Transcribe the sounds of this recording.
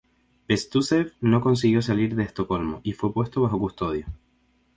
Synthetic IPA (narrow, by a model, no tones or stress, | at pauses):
pest̪usefno̞ko̞ns̬iɣjo̞s̬aliɾðe̞ːst̪o̞ko̞lmo̰ʔifwe̞pwe̞st̪oβaxo̞kust̪o̞ðjo